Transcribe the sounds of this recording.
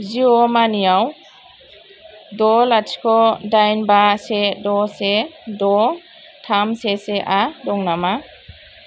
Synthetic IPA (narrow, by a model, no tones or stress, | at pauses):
ziɔmanijaw | dɔlat͡ʃkʰɔdajnbasedɔsedɔ | tʰamseseʔadɔŋnama